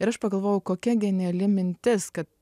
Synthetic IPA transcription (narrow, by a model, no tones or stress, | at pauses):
ɪɾɐʃpɐɡɐlˠʋoːjʊkoːkʲɛɡʲɛnʲɛɐlʲɪmʲɪnʲt̪ʲɪskɐt̪